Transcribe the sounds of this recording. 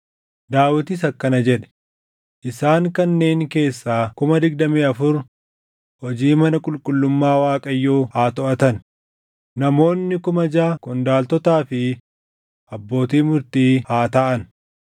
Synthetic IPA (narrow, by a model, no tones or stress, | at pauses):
d̪aːwɪt̪ɪs̬ɐkːɐnɐd͡ʒɛᶑɛ̥ | ʔɪsaːŋkɐnːe̞ːŋke̞ːsːaːkʊmɐd̪ɪɡd̪ɐmiːɐfʊɾ | hɔd͡ʒiːmɐnɐkʼʊlkʼʊlːʊmːaːwaːkʼɐjːoːhaːt̪ɔʔɐt̪ɐn | nɐmo̞ːnːɪkʊmɐd͡ʒaːkʊnd̪aːlt̪ɔt̪aːfɪ | ʔɐbːo̞ːt̪iːmʊɾt̪iːhaːt̪ɐʔɐn